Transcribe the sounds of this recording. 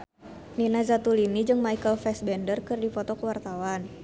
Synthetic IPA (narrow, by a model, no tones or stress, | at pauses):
ninazat̪ulinid͡ʒɨŋmaikəlfɛsbɛndərkɨrdifɔt̪ɔkəwart̪awan